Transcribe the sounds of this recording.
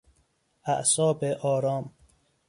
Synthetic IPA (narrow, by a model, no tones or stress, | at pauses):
æʔsɒːbeʔɒːɾɒːm